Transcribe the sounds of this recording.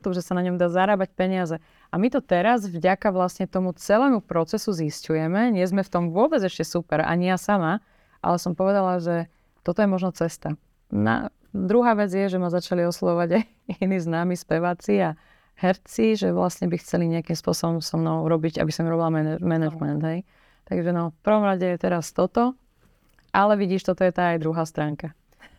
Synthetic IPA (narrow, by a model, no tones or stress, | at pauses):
t̪uʒɛsanaɲɔmd̪aːzaɾaːbac̚pɛɲɪazɛ | amit̪ɔt̪ɛɾazvɟakaʋlasɲɛt̪ɔmut͡sɛlɛːmupɾɔt͡sɛsuziscujɛmɛɲɪɛzmɛft̪ɔmvʊɔbɛd͡zɛʃcɛsupɛɾa̰ɲijasama | ʔa̰lɛsɔmpɔʋɛd̪alaʒɛ | t̪ɔt̪ɔjɛmɔʒnɔt͡sɛst̪a | na̰ | d̪ɾuɦaːʋɛd͡zjɛʒɛmazat͡ʃaliɔslaʋɔʋaɟa | iniːznaːmispɛʋaːt͡sia | hɛɾt͡siʒɛʋlasɲɛbixt͡sɛliɲɛakiːmspʊɔsɔbɔmsɔmnɔʊuɾɔbiɟa̰bisɔmɾɔbilamɛɛmɛnaʒmɛnd̪ɦɛj | t̪aɡʒɛnɔfpr̩ʋɔmɾaɟɛjɛt̪ɛɾast̪ɔt̪ɔ | ʔalɛʋiɟiːʃt̪ɔt̪ɔjɛt̪aːjd̪ɾuɦaːst̪ɾaːŋka